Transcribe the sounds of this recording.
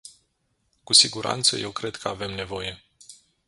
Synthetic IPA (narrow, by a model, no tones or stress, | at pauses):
kusiɡuɾʔa̰nt̪sə̰je̞wkɾe̞d̪kʰəave̞mne̞vo̞je̞